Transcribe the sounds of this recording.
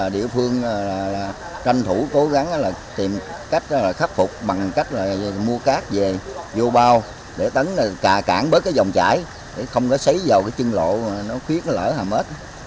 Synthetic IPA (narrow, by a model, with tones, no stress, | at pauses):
aː˨˩ɗḭ˧˨əfɨ˧əŋaː˨˩laː˨˩laː˨˩ | t͡ɕa˧ŋt̪ʰu˧˩ko˨˦ɣa˨˦ŋː˨˦laː˨˩t̪i˨˩mka˦˥jk̟̚ːlaː˨˩xa˦˥p̚fʊ˨˩k͡p̚ɓa˨˩ŋka˦˥jk̟̚laː˨˩˨mu˧əkaː˦˥k̚ve˨˩zo˧ɓaː˧w | ɗe˧˩t̪ə˨˦n˨˩kaː˨˩ka̰ː˧˩nɓəː˨˦jkaː˨˦jzɔ˨˩wŋ͡mt͡ɕa̰ː˧˩˦j | ɗḛ˧˩xə˧wŋ͡mkɔ˨˦sə˨˦jza˨˩wkaː˨˦jt͡ɕɨ˧ŋlo̰˧˨˩nɔ˨˦xwi˦˥ət̚lə̰ː˧˩haː˨˩mhe˦˥t̚ː